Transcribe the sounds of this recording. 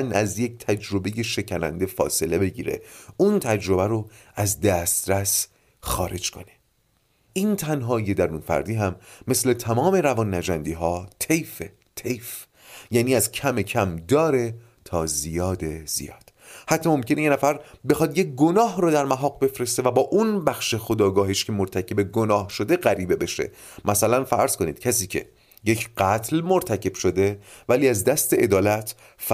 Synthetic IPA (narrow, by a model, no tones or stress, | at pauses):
næzjec̚t̪ʰæd͡ʒɾo̞be̞je̞ʃe̞cʰænæ̰nd̪e̞fɒ̰ːse̞le̞be̞ɟḭːɾḛʔunt̪ʰæd͡ʒɾo̞bæɾoæzd̪æst̪ɾæs | xɒ̰ːɾe̞d͡ʒkʰo̞̰ne | ʔiːnt̪ʰænɦɒːje̞d̪æɾunfæ̰ɾd̪iːɦæmːe̞sle̞t̪ʰæmɒːme̞ɾævɒːnːæd͡ʒænd̪iːɦɒːt̪ʰejfe | t̪ʰejf | jæːniːæzcʰæmecʰæmd̪ɒːɾe̞ | t̪ʰɒːzijɒːd̪e̞z̥ḭjɒ̰ːd̪̥hæt̪ʰːɒːmo̞mcʰe̞nejenæfæɾbexɒːd̪jeɡo̞nɒːɦrɔːd̪æɾmæɦɒːɡbe̞fɾe̞st̪evæbɒːʔunbæxʃe̞xo̞d̪ɒːɡɒːɦiʃcʰe̞moɾt̪ʰæcʰe̞be̞ɡonɒːhʃo̞d̪eɣæɾiːbebeʃḛ | mʔæsælænfæ̰ɾz̥koniːd̪̥cʰæs̬iːcʰe̞̰ | je̞cʰɢæt̪ʰlmoɾt̪ʰæcʰe̞b̥ʃo̞d̪e̞væliːæzd̪æst̪e̞ed̪ɒːlæt̪ʰ | f